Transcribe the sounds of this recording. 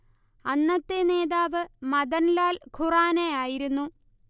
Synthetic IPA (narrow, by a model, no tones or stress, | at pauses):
ɐnːɐt̪ːene̞ːðaːʋɨmɐðɐnlaːlkʰuraːnejaːjiɾunːu